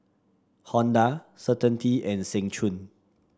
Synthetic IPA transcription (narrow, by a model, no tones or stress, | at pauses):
hɔ̃ndasətə̃ntʰiɛ̃nsɛ̃ŋt͡ʃʰũn